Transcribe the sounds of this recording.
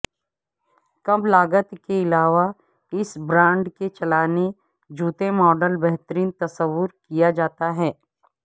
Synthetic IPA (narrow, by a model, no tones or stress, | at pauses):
kɐblaːɡət̪keɪlaːʋa | ɪsbɾãːɳɖket͡ʃɐlaːne | d͡ʒuːt̪emɔːɖəlbɛɦt̪əɾiːnt̪ɐsəʋːʊɾkijad͡ʒaːt̪aɦɛː